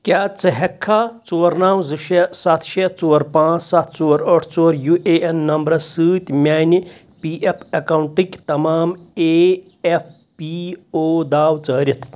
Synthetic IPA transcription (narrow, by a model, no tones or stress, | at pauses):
kʲjaːt͡sɐɦɐkʰːaːt͡soːɾnaːwzɨʃesat̪ʰʃet͡soːɾpãːt͡ssat̪ʰt͡soːɾəʈʰt͡soːɾjuʔeʔenːɐmbɾɐsɨːt̪ʲmʲaːni | piːʔepʰɐkɐwɳʈikʲt̪ɐmaːme | epʰ | pioːd̪aːwt͡səːɾʲit̪ʰ